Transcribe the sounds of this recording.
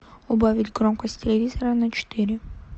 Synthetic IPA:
ʊbavʲitʲkɾɔmkəsʲtʲt̪ʲɪlʲɪvʲizəɾɐnɐt͡ʃɪ̥t̪iɾʲɪ

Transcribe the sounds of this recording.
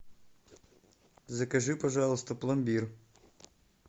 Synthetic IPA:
zɐkɐʒɪpɐʒɑlˠʊst̪ɔplˠɐmbʲiɾ

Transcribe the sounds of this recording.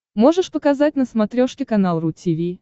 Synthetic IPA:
mo̞ʐɨʂpəkɐzat̚ʲnəsmɐt̪ɾʲo̞ʂkʲɪkɐnalˠɾutʲʰivʲi

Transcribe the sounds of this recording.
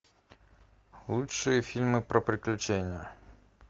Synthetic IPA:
lˠutʂɨjəfʲilʲmɨpɾɐpɾʲɪklʲʉt͡ɕenʲːɪjə

